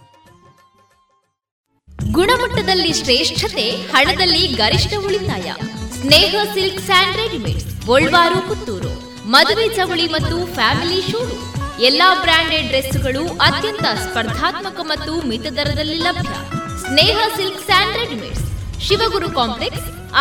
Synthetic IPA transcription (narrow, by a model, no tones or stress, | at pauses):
ɡuɳɐmɐʈːɐd̪ɐlːiʃɾeːʂʈʰɐt̪ehɐɳɐd̪ɐlːiɡɐɾiʂʈɐuɭit̪aːjɐ̰sneːɦɐsilksaːɳɖɾeɡimḛʈsɔɭʋaːɾukut̪ːuːɾṵ | mɐd̪uʋeːd͡ʒɐʋuɭimɐt̪ːufʰaːmiliʃuːɾu | ɛlːaːbɾaːɳɖeɖɾesuɡɐɭuʔɐt̪jɐnt̪ɐspɐɾd̪ʱaːt̪mɐkɐmɐt̪ːumit̪ɐd̪ɐɾɐd̪ɐlːilɐbʱjɐ̰ | sneːɦɐsilksaːɳɖɾeɡimḛʈsʃiʋɐɡuɾukaːmpleks